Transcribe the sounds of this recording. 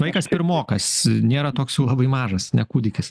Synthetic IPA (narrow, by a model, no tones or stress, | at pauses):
ʋɐɪkɐspʲɪɾmoːkɐsnʲeːɾɐt̪oːksjuːlˠɐbɐɪmɑːʒɐsnʲɛkuːd̪ʲɪkʲɪs